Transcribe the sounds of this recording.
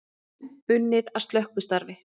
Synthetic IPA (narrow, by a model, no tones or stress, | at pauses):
ʏnːɪðast̪lœhkvʏ̥st̪aɾvɪ